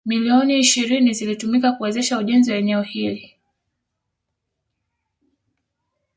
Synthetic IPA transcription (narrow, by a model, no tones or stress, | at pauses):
miliɔniːʃiɾinizilitumikakuwɛzɛʃauʄɛnziwaɛnɛɔhili